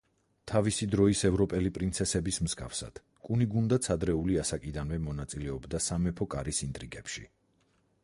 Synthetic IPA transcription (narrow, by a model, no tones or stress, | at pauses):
t̪ʰavisid̪ɾɔisɛvɾɔpʼɛlipʼɾint̪sʰɛsɛbismzɡa̰fsa̰d̪̥ | kʼuniɡund̪at̪sʰad̪ɾɛuliasakʼid̪anvɛmɔnat̪sʼilɛɔbd̪asamɛpʰɔkʼaɾisint̪ʼɾiɡɛpʃḭ